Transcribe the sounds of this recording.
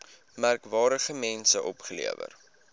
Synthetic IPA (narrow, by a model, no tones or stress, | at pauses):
mærkvɑːɾdəχəmɛnsəʔɔpχəlḭəvə̰r